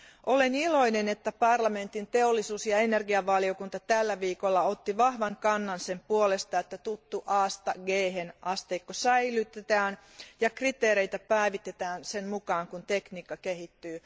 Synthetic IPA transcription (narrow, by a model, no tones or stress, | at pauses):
ʔolenilo̞inenet̪ːæpɑrlɑment̪int̪eolːisuːsjɑenerɡiɑʋʋɑliokunt̪ɑt̪ælːæʋiːkolːɑot̪ːiʋɑhʋɑŋkɑnːɑnsempuolest̪ɑet̪ːæt̪ut̪ːuʔɑːst̪ɑɡeːhenʔɑst̪eːkːosæilyt̪et̪æːn | jɑkrit̪eːɾeit̪æpæiʋit̪et̪æːnsenmukɑːŋkunt̪ekniːkːɑkehit̪ːyː